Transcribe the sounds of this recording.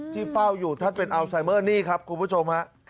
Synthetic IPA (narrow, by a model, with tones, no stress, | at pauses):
t̪ʰiː˥˩fa˥˩wjuː˨˩t̪ʰa˥˩npe˧nʔa˧wsa˨˧˩jmɤː˥˩niː˥˩kʰa˦˥p̚kʰu˧npʰuː˥˩t͡ɕʰo˧mha˦˥ʔ